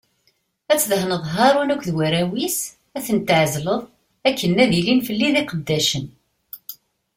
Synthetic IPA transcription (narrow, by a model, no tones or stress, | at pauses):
æt͡sːðɦnəðˤɦɑɾˤunækʷðwæɾæwis | æθənt̪ʕzləðˤ | ækːənːæðilinfəlːiðiqəd̪ːæʃən